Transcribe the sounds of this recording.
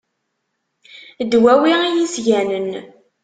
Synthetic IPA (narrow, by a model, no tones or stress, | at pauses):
d̪wæwiijisʝænən